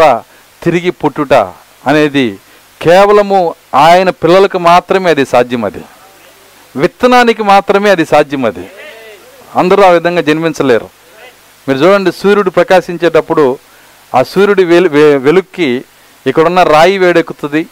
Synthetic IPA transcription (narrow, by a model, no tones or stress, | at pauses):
a | t̪iɾiɡipoʈːuʈɐ̰ | ɐne̞ːd̪i | kɛːʋɐlɐmu | aːjɐnɐpilːɐlɐkumaːt̪ɾɐme̞ːɐd̪isaːd̪ʱjɐmɐ̰d̪ḭ | ʋit̪ːɐnaːnik̬imaːt̪ɾɐme̞ːɐd̪isaːd̪ʱjɐmɐd̪ḭ | ɐnd̪ɐɾuːaːʋid̪ʱɐŋɡaːd͡ʒɐniminsɐlḛːɾṵ | miːɾut͡ʃuːɽɐɳɖisuːɾuɽipɾɐkaːʃiɲt͡ʃeːʈ̬ɐpːuɽu | aːsuːɾuɽiʋelukːi | ɛkːɐɽunːɐɾaːjiʋeːɽekːut̪und̪i